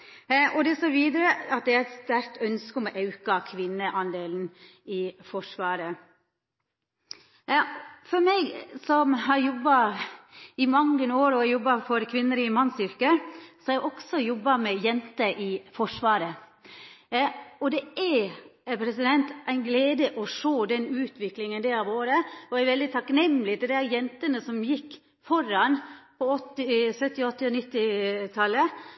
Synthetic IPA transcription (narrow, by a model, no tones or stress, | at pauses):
ɔd̪ɛsoːʋiːd̪əɾəɑt̪̚d̪ɛæɛt̪st̪æɾt̪œnskəɔmɔʔɑʉkɑkʰʋɪnːəʔɑnd̪eːln̩ | ɪfɔʂʋɑːɾə | fɔɾmɛɡsɔmhɑɾjɔbːɑ | ɪmɑŋːənəoːɾɔɛɾjɔbːɑfɔɾkʰʋɪnːəɾɪmɑnːsʏɾkəsɔæɪʔɔksɔjɔbːɑmɛjɛnt̪əʔɪfɔʂʋɑːɾə | ɔd̪ɛæɾpʰɾɛsɪd̪ɛnt̪ʔæɪnɡleːd̪əʔɔʂoːd̪ɛnʉːt̪ʰʋɪklɪŋənd̪ɛɾɑʋoːɾəɔæɾʋɛld̪ɪt̪ʰɑknɛmlɪt̪ʰɪld̪ææɾjɛnt̪ənəsɔmjɪkː | fɔɾɑnpʰɔɔt̪ːɪsœt̪ːɪɔt̪ːɪɔnɪt̪ːɪt̪ʰɑlːə